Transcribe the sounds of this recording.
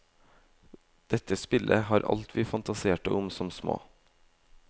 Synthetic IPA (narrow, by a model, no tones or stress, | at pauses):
d̪̥ɛt̪əspɪlʔəhɑːɾʔɑ̰lt̪ʰʋiːfɑnt̪ɑseːʈə̰ʔʊmsɔmsmo̰ː